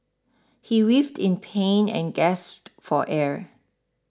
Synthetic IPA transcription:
hiwivtʰɪ̃npʰẽnɛ̰̃nɡɛstfɔʔɛɹ

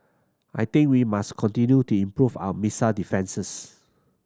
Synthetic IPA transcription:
ʔajt̪ɪ̃ŋkwimaskʰɔ̃ntĩnjutuĩmpɹufa̰wəmisadifɛ̃nsəs

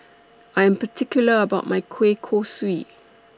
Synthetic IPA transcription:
ʔajɛ̃mpətʰɪkjuləəbaʊt̚majkʰwekʰoswit̚

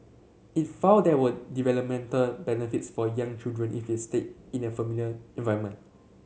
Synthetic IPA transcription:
it̚fãʊdɛwədivɛləp̚mɛ̃ntəlbɛnifitsfɔjãŋt͡ʃildɹə̃nʔḭfdestet̚ĩnəfəmiljəɛ̃nvajəmə̃nt

